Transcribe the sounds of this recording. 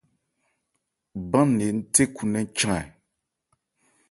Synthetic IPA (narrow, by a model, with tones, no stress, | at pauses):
bã˦nːe˨n̩˦te˦ku˨nɛ˦t͡ʃã˦ŋɛ˨